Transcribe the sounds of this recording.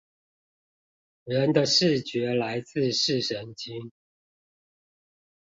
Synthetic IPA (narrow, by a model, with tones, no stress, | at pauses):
ɻə˨˦nd̪ə˧ʂɻ̩˥˩t͡ɕɥɛ˧˥la˧˥ɪt͡sɹ̩˥˧ʂɻ̩˥˨ʂə˨˥nt͡ɕi˥ŋ